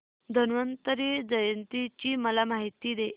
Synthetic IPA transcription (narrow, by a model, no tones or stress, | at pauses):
d̪ʱənʋənt̪əɾid͡ʑd͡zəjənt̪it͡ɕiməlamaɦit̪iːd̪e